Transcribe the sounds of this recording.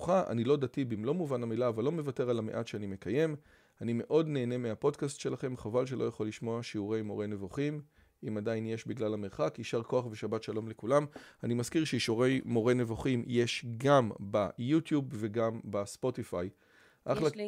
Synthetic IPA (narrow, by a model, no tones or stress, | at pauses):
χaʔa̰nilo̞datibimlo̞muvanamilaːvalːo̞me̞vate̞ʁalameʔatʃeanime̞kaje̞m | anime̞ʔo̞dne̞ːne̞meapo̞dkastʃe̞laχe̞mχavalʃ̬e̞lo̞jaχo̞liʃmo̞aʃiuʁe̞jmo̞ʁe̞jne̞voχim | imadainje̞ʃbiɡlalameʁχakiʃaʁko̞aχveʃabatʃalo̞mle̞kulamanimaskiʁʃeiʃuʁe̞jmo̞ʁene̞voχimje̞ʃɡambajutjubve̞ɡambaspo̞tifaj | ʔaχla